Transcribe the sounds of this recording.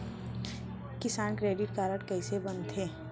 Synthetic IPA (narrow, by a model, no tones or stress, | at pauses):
kɪsaːnkɾeːɖɪʈ̚kaːɾəʈkɐisebɐnt̪ʰɦeː